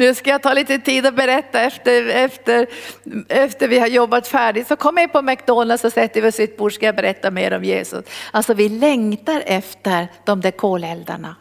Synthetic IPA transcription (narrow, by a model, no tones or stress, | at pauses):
nʉːskajat̪ʰɑːliːt̪ət̪ʰiːd̪ɔbɛɾɛt̪ːaɛft̪əɛft̪əɾ | ɛft̪əɾvɪhaɾjɔbːat̪fæːɖɪt̪sɔkʰɔmːjapʰɔmakd̪onasɔsɛt̪ːəɾvɪɔsɪt̪̚buːʂkajabɛɾɛt̪ːameːɾɔmjḛːsʊ̰salsɔvɪlɛŋt̪aɾɛft̪əɾd̪̥ɔmd̪æɾkʰoːlɛld̪a̰ɳa̰